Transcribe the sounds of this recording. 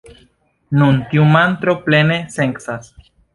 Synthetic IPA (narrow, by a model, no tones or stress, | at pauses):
nunt̪iumant̪ɾopleneseŋksas